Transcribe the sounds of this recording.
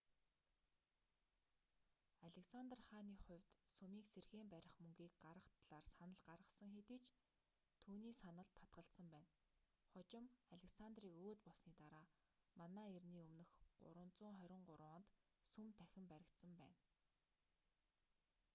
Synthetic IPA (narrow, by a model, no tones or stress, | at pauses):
aɮʲeksant̪rχaːniːχʊ̟wʲt̪sɵmiːkserxeːmpæɾʲɪ̆χmɵŋɡʲiːk̚ɢarʁə̆χt̪ʰɮ̥aːrsanə̆ɮɢarʁə̆sə̆ŋxet̪iːt͡ɕ | t̪ʰuːniːsanə̆ɮt̪ʰːḁt̪̚ɢə̆ɬt̪sə̆mpæːn | χʊt͡ɕɪ̆maɮʲĕksant̪riːkoːt̪pɔɮsniːt̪aɾaː | manæːerniːɵmnɵ̆xɢʊ̰ɾə̆nt͡sʊːŋχœɾʲɪ̆ɴɢʊɾʊːnt̪ | sumt̪ʰæxʲɪ̆mpæɾʲɪ̆kt̪sə̆mpæ̰ːn